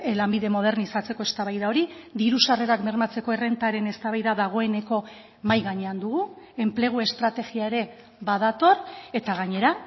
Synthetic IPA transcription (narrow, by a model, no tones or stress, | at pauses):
lambiðe̞mo̞ð̞e̞ɾnisat͡se̞ko̞e̞st̪aβajðao̞ɾiðiɾusare̞ɾakmeɾmat͡se̞ko̞ere̞nt̪aɾe̞ne̞st̪aβajðaðaɣ̞o̞e̞ne̞ko̞ | majɣaɲe̞and̪uɣu | e̞mple̞ɣ̞ue̞st̪ɾat̪e̞ɣiae̞ɾe̞ | βað̞at̪o̞re̞t̪aɣaɲe̞ɾa